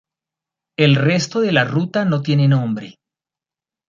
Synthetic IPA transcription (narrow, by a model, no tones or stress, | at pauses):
e̞lre̞st̪o̞ðe̞larut̪ano̞t̪je̞nenõ̞mbɾe̞